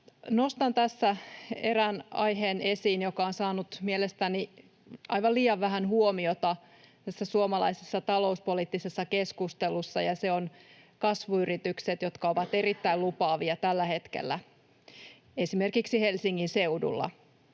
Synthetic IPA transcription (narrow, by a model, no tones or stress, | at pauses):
no̞st̪ɑnt̪æsːæeɾænɑ̰jɦeːnesiːnjokɑonsɑːnut̪mielest̪æni | ʔɑjʋɑliːɑʋʋæɦænhuomiot̪ɑ | t̪æsːæsuomɑlɑ̰isesːɑt̪ɑlo̞uspolit̪ːisesːɑkeskust̪elusːɑ̰jɑseon | kɑsʋuyrit̪ykset̪jo̞t̪kɑoʋɑt̪e̞rit̪ːæilupɑːʋiɑt̪ælːæhe̞t̪kḛlːæ | esimerkiksihe̞lsiŋːinseudṵlːɑ̰